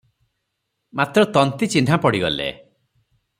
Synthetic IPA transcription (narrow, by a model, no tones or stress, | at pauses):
mat̪ɾɔt̪ɔnt̪it͡ʃinʱapɔɽiɡɔ̰lḛ